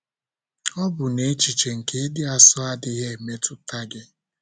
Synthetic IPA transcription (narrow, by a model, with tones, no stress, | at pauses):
ɔ˦bʊ˨ne˨e˦t͡ʃi˨t͡ʃe˨ŋ̩˨ke˦dɪ˦a˨sʊ˦a˦dɪ˦ɦe˦e˨me˦tʊ˦ta˦ɡɪ˦